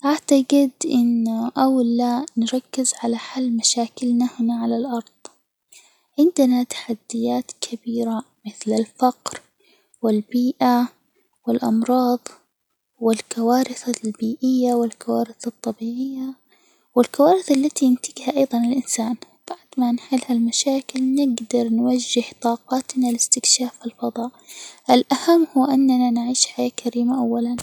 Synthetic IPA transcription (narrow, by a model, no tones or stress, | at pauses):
ʔaʕt̪aɡɪd̪ʔɪnʔawlːanɾˤɑkːɪzʕalaħalːmaʃaːkɪlnahnaʕalalʔɑɾˤð̥ˤ | ʕɪnd̪ɪnat̪ḁħad̪ːɪjaːt̪kʰabiːɾa | mɪθlɪlfɑqɾ | wɪlbiːʔa | wɪlʔɑmɾˤɑːðˤ | wɪlkawaːɾɪθalbiːʔɪjːawɪlkawaːɾɪθɨt̪ˤːɑbiːʕɪjːa | wɪlkawaːɾɪθalːat̪iɪnt̪ɪɡhaʔɑjðˤɑnɪlʔɪnsaːn | b̥aʕd̪manħɪlhalmaʃaːkɪlnɪɡd̪ɑɾˤnwad͡ʒːɪht̪ˤɑːqɑːt̪nalɪst̪ɪkʃaːfɪlfɑðˤɑːʔʔɪlʔahamːhuːʔanːananʕiːʃħajakʰaɾiːmaʔawːalan